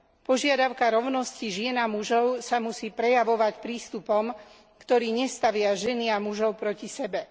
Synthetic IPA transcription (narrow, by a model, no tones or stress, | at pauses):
pɔʒɪad̪aʊkaɾɔʊnɔsciʒɪɛnamuʒɔʊsamusiːpɾɛjaʋɔʋacpɾiːst̪upɔm | kt̪ɔɾiːɲɛst̪aʋɪaʒɛniamuʒɔʊpɾɔcisɛbɛ